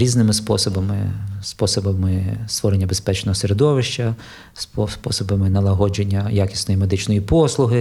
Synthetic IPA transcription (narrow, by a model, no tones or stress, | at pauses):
ɾʲiznɪmɪspɔsɔbɐmɪspɔsɔbɐmɪst̪ʋɔɾenʲːɐbespɛt͡ʃnɔɦɔseɾed̪ɔʋɪʃt͡ʃɐ | spɔspɔsɔbɐmɪnɐlˠɐɦɔd͡ʒenʲːɐjakʲi̥sʲnɔjimed̪ɪt͡ʃnɔjipɔslˠʊɦɪ